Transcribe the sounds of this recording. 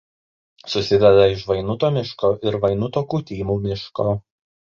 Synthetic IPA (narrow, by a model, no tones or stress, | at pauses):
sʊsʲɪd̪ʲɛd̪ɐɪʃʋɐɪnʊt̪oːmʲɪʃkoːʔɪɾʋɐɪnʊt̪oːkuːt̪ʲiːmuːmʲɪʃkoː